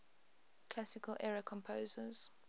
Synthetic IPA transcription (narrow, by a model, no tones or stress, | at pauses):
kʰl̥asɪkʰəlʔɛɹəkʰɔ̃mpʰoːzəz̥